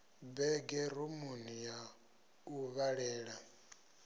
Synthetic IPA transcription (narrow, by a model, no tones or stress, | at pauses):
bɛɡɛɾumunija | uβaɺɛːɺa